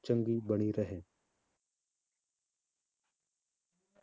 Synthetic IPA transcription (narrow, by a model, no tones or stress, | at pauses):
t͡ʃə̃ŋɡibəɽ̃iɾəɦẽː